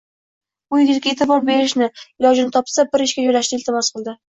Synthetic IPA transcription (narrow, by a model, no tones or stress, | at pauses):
ʊjɪɡʲɪt̪kʲaet̪ɪbɒɾbeɾɪʃnɪɪlɒd͡ʒɪnɪt̪ʰɒpsabɪɾɪʃkʲad͡ʒɒjlaʃnɪɪlt̪ʰɪmɒsqɨlˠd̪ɪ